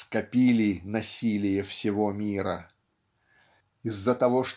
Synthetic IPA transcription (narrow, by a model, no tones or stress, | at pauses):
skɐpʲilʲɪnɐsʲilʲɪjəfsʲɪvomʲiɾə̰ | ɪzːət̪ɐvoʂt̪